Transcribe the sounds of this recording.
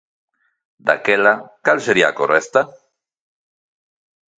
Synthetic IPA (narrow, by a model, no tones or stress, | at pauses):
d̪a̰kelakalseɾia̰koɾest̪a